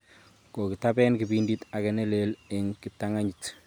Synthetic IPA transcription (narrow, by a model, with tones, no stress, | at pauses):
ko˨ki˨tabɛ˦nki˨biːndita˨kɛnɛ˦lele˨ŋki˨p̚taŋa˦ɲit